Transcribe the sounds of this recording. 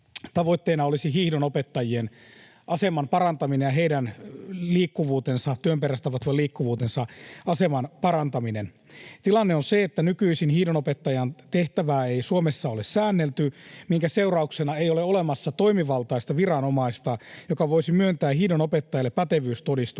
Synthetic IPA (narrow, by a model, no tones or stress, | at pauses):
t̪ɑʋo̞it̪ːeːnɑolisiɦiːhdonopet̪ːɑjien | ʔɑse̞mɑmpɑrɑnt̪ɑminenjɑɦe̞idænliːkːuʋuːt̪ensɑt̪yømpeɾæst̪ɑʋɑt̪ʋɑliːkːuʋuːt̪ensɑɑsemɑnpɑrɑnt̪ɑminen | t̪ilɑnːeonseet̪ːænykyisinhiːhdonopet̪ːɑjɑnt̪eht̪æʋæːeisuomesːɑolessæːnːelt̪ymiŋkæse̞urɑuksenɑejoleole̞mɑsːɑt̪o̞imiʋɑlˠt̪ɑist̪ɑʋirɑnomɑist̪ɑjokɑʋo̞isimyønt̪æːhihdonopet̪ːɑjɑlːepːæt̪eʋyːst̪odist̪u